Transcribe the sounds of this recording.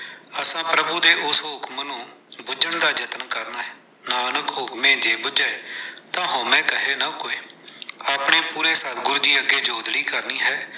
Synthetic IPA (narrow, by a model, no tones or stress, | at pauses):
əsãːpɾəbuːd̪eːʔʊsɦʊkmnũː | bʊd͡ʒəɳd̪aːd͡ʒət̪nkəɾnaːɦɛ | naːnəkɦʊkmẽːd͡ʒeːbʊd͡ʒaːeːt̪ãːɦõːmɛ̃ːkəɦeːnaːkoːeːaːpɳeːpuːɾeːsaːd̪ɡʊɾd̪iːəɡeːd͡ʒoːd̪ɽiːkəɾniːɦɛː